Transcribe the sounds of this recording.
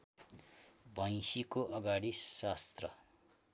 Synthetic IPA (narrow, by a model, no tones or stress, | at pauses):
bʱʌj̃sikoʔʌɡaɽisast̪rʌ